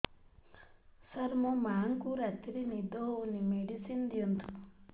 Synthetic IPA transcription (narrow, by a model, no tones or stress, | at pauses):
sɐɾmomaːŋkuɾɐt̪ːiɾinid̪oːunimeɖisind̪iont̪u̥